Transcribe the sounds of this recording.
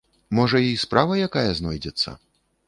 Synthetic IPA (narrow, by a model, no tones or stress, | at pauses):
mɔʐɐispɾavɐjakajɐznɔjd͡zʲɛt̪sːɐ̰